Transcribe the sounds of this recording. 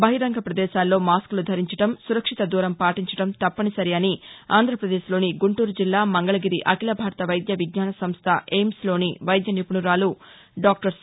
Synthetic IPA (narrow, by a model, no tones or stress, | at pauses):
bɐɦiɾɐŋɡʱɐpɾɐd̪ɛːʃaːlːo̞ːmaːsklud̪ʱɐɾiɲt͡ʃɐʈɐmsuɾɐkʂit̪ɐd̪uːɾɐmpaːʈiɲt͡ʃɐ̥ʈɐmt̪ɐpːɐnisɐɾiɐniaːnd̪ʱɾɐpɾɐd̪eːʃlo̞ːniɡuɳʈuːɾud͡ʒilːaːmɐŋɡɐɭɐɡiɾiʔɐkilɐbʱaːɾɐt̪ɐʋɐjd̪jɐʋiɡ̚ɲaːnɐsɐmst̪ʰɐʔeːmslo̞ːniʋɐjd̪jɐnipuɳuɾaːlu | ɖaːk̚ʈɐɾs